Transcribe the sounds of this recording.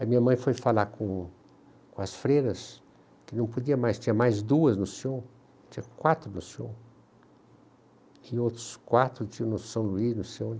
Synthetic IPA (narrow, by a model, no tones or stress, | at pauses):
ɐmĩɲɐmɐ̃j̃fojfalakõ | kõɐsfɾejɾɐs | kɪnɐ̃w̃pod͡ʒiɐmajst͡ʃĩɐmajzd̪uɐznʊsiõ | t͡ʃĩɲɐkwat̪ɾʊnʊsiõ̰ | ɪowt̪ɾʊskwat̪ɾʊt͡ʃĩɐ̃nʊsɐ̃w̃luiznʊsiõ